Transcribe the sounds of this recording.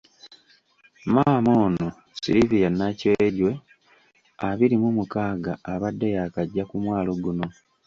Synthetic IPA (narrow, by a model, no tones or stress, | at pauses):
maːmo̞ːno̞ | siɾivijanaceɟwe̞ | aβiɾimumukaːɡaːβadːejakaɟːakumwaːlo̞ɡuno̞